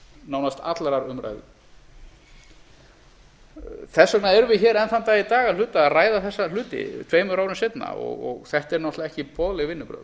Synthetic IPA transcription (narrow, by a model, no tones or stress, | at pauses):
naːwnast̪ʰa̰t̪laɾaɾʏmɾa̰jðɪ | θɛsːœknaɛɾʏvɪçɛːɾɛnθant̪ait̪aːɣalʏːt̪aaraːjðaθɛsːalʏːt̪ɪ̰t̪ʰveːjmʏɾaːwɾʏmsejt̪na̰ɔ̰ɣɔɣθɛht̪ɛɾnɔht̪laɛhcɪpʰɔðlɛɣvɪnːʏpɾœ̰ː